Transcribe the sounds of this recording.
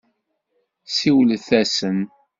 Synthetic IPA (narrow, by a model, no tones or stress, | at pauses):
siwlθæsəm